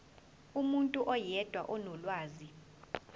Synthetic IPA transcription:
umuntʼuʔɔjɛd̥ʱwaʔɔnɔlwaːzi

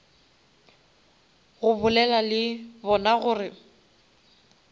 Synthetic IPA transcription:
ɣʊbʊlɛlalɪbɔnaɣʊːrɪ

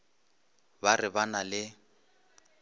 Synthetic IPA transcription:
barɪbanalɪ

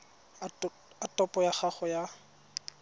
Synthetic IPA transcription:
atɔpɔjaχaχɔja

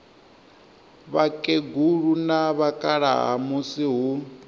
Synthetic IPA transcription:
βakʼeɡuɺunaβakʼaɺaɦa̰musiɦu

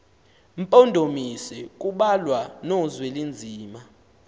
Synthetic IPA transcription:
m̩pʼondʱomisɛkʼuɓalwanozwɛlend͡zʱiːma

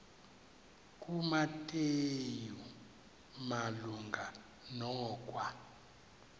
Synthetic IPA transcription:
kʼumatʼeju | maluŋɡa | nɔkʼwa

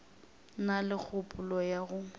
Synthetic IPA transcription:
nalɪk͡xʰʊpʼʊlɔjaɣʊ

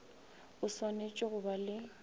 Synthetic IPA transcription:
ʊswanet͡ʃʼɪɣʊbalɪ

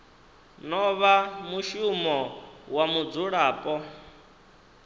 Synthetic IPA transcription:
nɔβamuʃumɔwamud͡zuɺaːpʼɔ

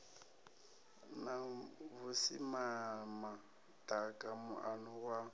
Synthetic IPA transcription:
naβʊsḭmama | tʼakʼamʊʔanʊɣwa

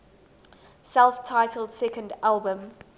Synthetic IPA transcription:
sɛlˠftʰaɪtʰəl̩ˠd̥sɛkə̃ndalˠbə̃m

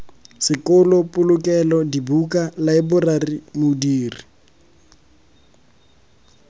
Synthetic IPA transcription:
sɪkʊlʊpʼʊlʊkɛlɔdibukalaɪbʊrarimʊdiːri

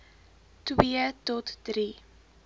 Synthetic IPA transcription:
twiətɔtd̥ɾi

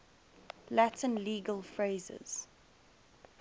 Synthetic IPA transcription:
latʰə̃nliːɡəlfɹeɪzɪ̰z̥

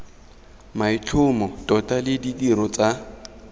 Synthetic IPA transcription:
maɪt͡ɬʰʊmɔtʼɔtʼalɪdidiɾɔt͡sʼa

